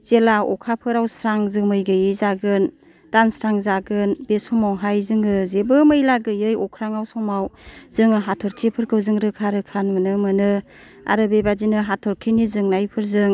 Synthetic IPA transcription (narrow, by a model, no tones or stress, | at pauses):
zelaɔkʰapʰɯɾawsɾaŋzɯmɯjɡɯjɯzaɡɯn | tansɾaŋzaɡɯnbesɔmawɦajzɯŋɯzebɯmɯjlaɡɯjɯjɔkʰɾaŋawsɔmawz̥ɯŋɯɦatʰɔɾkʰipʰɯɾkʰɯwzɯŋɾɯkʰaɾɯkʰanmɯnɯmɯnɯ | a̰ɾɯbebazinɯɦatʰɔɾkʰinizɯŋnajpʰɯɾzɯŋ